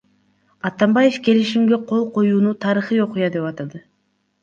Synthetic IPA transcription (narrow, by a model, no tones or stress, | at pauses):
ɑt̪ɑmbɑje̞fkʲe̞liʃimɡe̞qʰo̞lˠqo̞juːnut̪ʰɑɾɯχɯjo̞qujɑd̪e̞pɑt̪ɑd̪ɯ